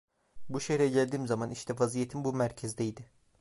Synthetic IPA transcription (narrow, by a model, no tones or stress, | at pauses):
buʃeçɾɛɟælʲd̪iːmzamaniʃt̪ʰɛvazijet̪ʰinbumæɾcʰɛzd̪ɛjd̪ɪ